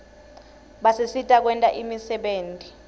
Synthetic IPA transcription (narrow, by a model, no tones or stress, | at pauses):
ɓasesitʼak̬wɛntʼaʔimisɛɓeːntʼi